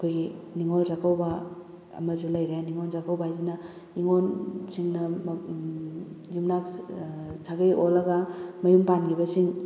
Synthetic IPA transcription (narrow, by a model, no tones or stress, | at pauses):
ɐkʰojɡiniŋolzakʰawbɐ | ɐ̰mɐlzulajɾeaniŋonzakawbaazinɐ | iŋonsiŋnɐm | zumnak | sʰaɡajʔolɐɡamɐjumpanɡibɐsiŋ